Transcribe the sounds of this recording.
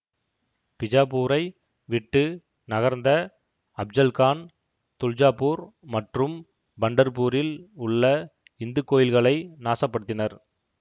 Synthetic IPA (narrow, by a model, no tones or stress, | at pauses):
pɪd͡ʒaːpuːɾɐɪ | ʋɪʈːɯ | nɐɣɐɾnd̪ɐ | ɐb̚d͡ʒɐlkaːn | t̪ʊld͡ʒaːpuːɾmɐʈrɯm | bɐɳɖɐɾpuːɾɪlʊɭːɐ | ɪnd̪ɯkːoːjɪlɣɐɭɐɪnaːsɐpːɐɽɯt̪ːɪnɐɾ